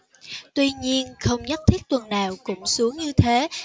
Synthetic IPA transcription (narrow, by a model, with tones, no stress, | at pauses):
t̪wi˧ɲi˧ənxə˧wŋ͡mɲə˦˥t̚t̪ʰi˦˥k̚t̪wə˨˩nːaː˨˩wkʊ̰˧˥ŋ͡msu˨˦əŋɲɨ˧t̪ʰe˨˦